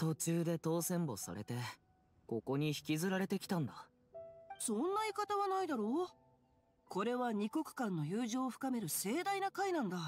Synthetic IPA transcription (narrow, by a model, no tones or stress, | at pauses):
t̪o̞t͡ɕɨːd̪e̞t̪o̞ːsẽ̞mbo̞̰sa̰ɾet̪e̞ | ko̞ko̞ɲ̟içi̥kʲizɨɾaɾe̞t̪e̞kʲi̥t̪ãnd̪a | sõ̞nːaikat̪aβanaid̪aɾo̞ | ko̞ɾe̞βaɲ̟iko̞kɯ̟̥kãnːo̞jɯːʑoːɸɯ̟̥kame̞ɾɯ̟se̞ːd̪ainakainãnd̪a